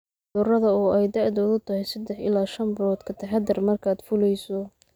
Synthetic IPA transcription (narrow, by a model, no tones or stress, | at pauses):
d̪ʊrɐðɐɔːʔɛjd̪ɑʕd̪ɔːðʊt̪ʰɐhɛjsɐd̪ɛħɪ̰laːʃɐmbɾɔːd̪kʰɐt̪ʰɐħɛd̪ɐrmɐrkʰaːd̪fʊlɛjsɔ